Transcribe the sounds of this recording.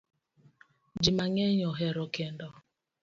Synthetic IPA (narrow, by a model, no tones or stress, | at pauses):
d͡ʒimaŋeɲɔɦeɾɔkendɔ